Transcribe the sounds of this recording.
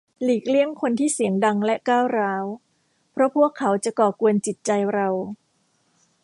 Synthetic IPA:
liː˨˩k̚li˥˩əŋkʰo˧nt̪ʰiː˥˩si˩˦əŋda˧ŋlɛ˦˥ʔkaː˥˩wɾaː˦˥w | pʰɾɔ˦˥pʰu˥˩əkʰːa˩˦˥wt͡ɕa˨˩kɔː˨˩ku˧ənt͡ɕi˨˩t̪̚t͡ɕa˧jɾa˧w

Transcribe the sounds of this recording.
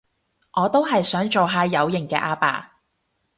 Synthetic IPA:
ŋʔɔː˨˧t̪o˥wɦɐ˨jsœː˨˥ŋt͡so˨wɦaː˨˧jɐ˨˧wjɪ˨˩ŋkɛː˧ʔaː˧pa̰ː˨˩

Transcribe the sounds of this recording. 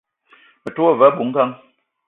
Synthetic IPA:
mə˨to˦a˦və˦bu˨ŋ̩˦ka˦ŋ

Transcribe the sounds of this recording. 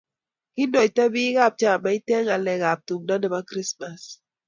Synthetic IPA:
kɪ˦ndɔ˨i˨ta˦bi˦ɣa˦˨p̚t͡ʃa˦˨ma˨˦i˦tɛ˦ŋa˨lɛ˨ɣa˨p̚tu˨ŋda˦ndɛ˨ma˦kɾi˦sma˨s

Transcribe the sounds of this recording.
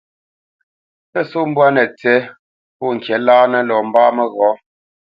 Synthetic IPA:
pɛ˦˨so˦m̩˦bwa˦nɛ˨t͡sɛ˨˦ | pɔ˦˨ŋ̩˨kjɛ˨˦laː˦nɛ˦lɔː˨m̩˦baː˦mɛ˦ɣɔ˨˦

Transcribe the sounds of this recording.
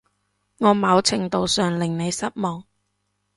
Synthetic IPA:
ŋɔː˨˧mɐ˨˧˥wt͡sʰɪ˨˩ŋt̪o˨wsœː˨˩ŋlɪ˨ŋne˨˧jsɐ˥t̚mɔː˨˩ŋ

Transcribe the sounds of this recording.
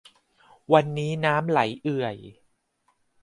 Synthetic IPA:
wa˧nːiː˦˥naː˦˥mla̰˩˦jʔɯ˨˩əj

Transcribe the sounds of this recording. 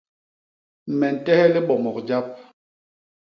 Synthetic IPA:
mɛ˨n̩˨tɛ˦hɛ˦li˦ɓɔ˨mɔ˨kd͡ʒa˦p̚

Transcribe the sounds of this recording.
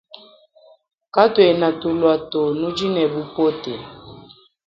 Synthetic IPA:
ka˦twe˨na˨tu˨lwa˨to˨nu˦d͡ʒi˦nɛ˨bu˦po˦te˨

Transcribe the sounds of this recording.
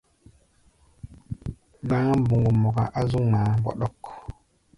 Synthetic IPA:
ɡã˦bu˨ŋɡu˨mo˨ka˨ʔa˦zu˦ŋma˨ɡo̰˨ɗo˦k

